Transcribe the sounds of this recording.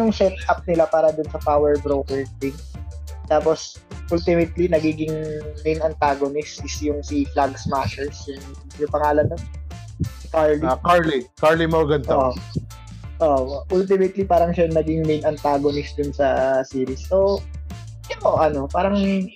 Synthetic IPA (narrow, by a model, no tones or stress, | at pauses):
jʊŋsɛt̪̚ʔɐp̚nɪlapaːɾɐd̪ʊnsɐpawɛɹbɾoːkɛɹd̪ɪŋ | t̪aːpos | ʔult̪ɪmɛt̪linɐɡiːɡɪŋmɛjnɐnt̪aːɡonɪsʔɪsjʊŋsiflaɡsmaʃɛɹsjʊŋ | jʊpɐŋaːlɐnːon | sɪkaɹlikaɹlikaɹlimɐɐɡɐnt̪oʔʔo | ʔoʔʔult̪ɪmɛt̪lipaːɾɐŋʃanɐɡɪŋmɛjnɐnt̪aːɡonɪsd̪ʊnsɐsiːɾɪsːo | jɐnoʔoʔɐno̞paːɾɐŋ